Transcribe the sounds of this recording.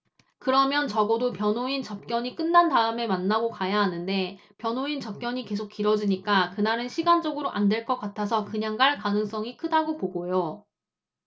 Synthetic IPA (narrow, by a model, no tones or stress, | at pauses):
kɯɾʌmjʌnt͡ɕʌɡʌdopjʌnɦoint͡ɕʌp̚k͈jʌɲik͈ɯnːandaɯme̞manːaɡokajaɦanɯnde̞ | pjʌnoint͡ɕʌp̚k͈jʌɲike̞sʰok͈iɾʌd͡ʑiɲik͈akɯnaɾɯnɕʰiɡand͡ʑʌɡɯɾoʔandwe̞ɭk͈ʌk͈atʰasʰʌkɯɲaŋɡaɭkanɯŋs͈ʌŋikʰɯdaɡopoɡojo